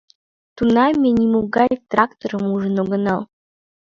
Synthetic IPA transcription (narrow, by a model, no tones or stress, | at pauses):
t̪unɑmʲenʲimuɡɑjjʲt̪rɑkt̪oɾɤmuʐə̆noɡɤ̆nɑl